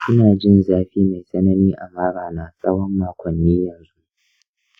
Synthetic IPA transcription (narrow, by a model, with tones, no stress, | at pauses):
ʔɪ˦naː˨d͡ʒɪ˦nzaː˦ɸiː˦ma˨jsʼɐ˦nɐ˦niː˦ʔa˨maː˦ɽaː˨naː˦sʼɐ˦wɔ˦mːaː˨kʷɔ˨nːiː˦jɐ˨nzu˦ʔ